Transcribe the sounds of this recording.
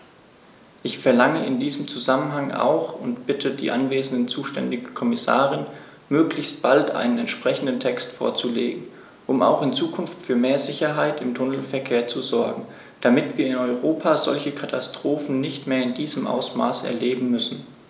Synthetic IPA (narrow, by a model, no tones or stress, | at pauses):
ʔɪçfɛɐlaŋəɪndiːzəmt͡suzamənɦaŋʔa̰ʊxʊntb̥ɪtʰədḭːʔanveːzn̩dənt͡suːʃtɛ̰ndɪɡəkʰɔmɪsa̰ːʁ̞ɪn | møːklɪçst̚b̥altʔa̰ɪnənɛntʃpʁ̥ɛçn̩dən̩tʰɛkstfo̰ːɐt͡sulḛːɡŋ̩ | ʔʊmʔa̰ʊxɪnt͡suːkʰʊnftfyːɐmeːɐzɪçɐɦaɪtɪmtʰʊnəl̩fɛɐkʰeːɐt͡suzɔɐɡŋ̩ | d̥amɪtv̥iːɐɪnɔʏʁoːpʰaːzɔ̰lçəkʰatʰastʁ̥oːfn̩nɪçtmeːɐɪndiːzəmʔa̰ʊsma̰ːsɛ̰ɐleːbm̩mʏsn̩